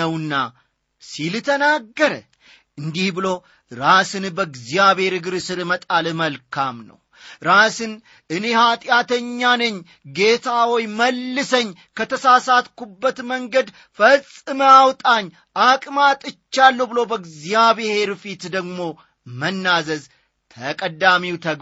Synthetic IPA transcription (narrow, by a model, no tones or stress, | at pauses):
əwnːa̰ | silt̪ʰənaɡːəɾə | ʔɨnd̪ihbɨlo̞ | ɾasɨnbəɡzijaβhe̞ɾɨɡɨɾsɨɾmət̪ʼalməlkʰamnə̰w | ɾasɨn | ʔɨne̞hat̪ʼɪjat̪ʰəɲːanɨɲː | ɡe̞t̪ʰawɔjməlːɨsəɲː | kʰət̪ʰəsasat̪kubːət̪məŋɡəd̪ | fəsʼɨməawt̪ʼaɲː | akʼmat̪ʼɨt͡ʃːalːəwbɨlo̞bəɡzijaβehe̞ɾfit̪d̪əɡmo̞ | mənːazəz | t̪ʰəkʼəd̪amiwt̪ʰəɡ